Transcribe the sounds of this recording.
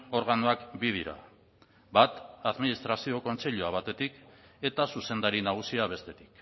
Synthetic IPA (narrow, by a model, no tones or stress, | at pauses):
o̞ɾɣanoakbið̞iɾa̰ | bat̪aðminist̪ɾasio̞ko̞nt͡se̞ʎuaβ̞at̪e̞t̪ike̞t̪asuse̞nd̪aɾinaɣ̞usiaβ̞e̞st̪e̞t̪i̥k